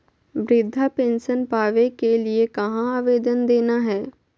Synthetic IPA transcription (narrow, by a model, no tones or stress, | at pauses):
ʋɾɪd̪ʱːapẽːnsənpaːʋekeliekɐɦãaːʋeːd̪ənd̪eːnaɦɛː